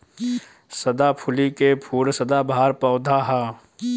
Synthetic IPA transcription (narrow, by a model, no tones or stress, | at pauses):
sɐd̪apʰʊlikepʰuːɾsəd̪abʱaːɾpɔːd̪ʱaɦaː